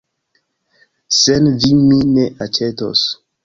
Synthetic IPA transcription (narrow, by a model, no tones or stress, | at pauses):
senvimineʔat͡ʃeto̰s